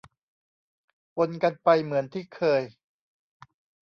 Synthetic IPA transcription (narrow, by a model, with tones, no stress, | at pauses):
po˧nka˧npa˧jmɯ˩˦ənt̪ʰiː˥˩kʰɤː˧j